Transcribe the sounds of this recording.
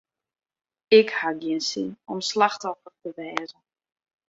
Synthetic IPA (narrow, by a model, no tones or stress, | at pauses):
ɪkhaɡjinsinɔmslaxtɔfərtəʋɛːzə